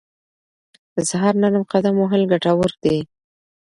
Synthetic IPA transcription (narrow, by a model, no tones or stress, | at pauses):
əsaɦɑɾnaɾəmqad̪amoɦɪlɡaʈawəɾd̪e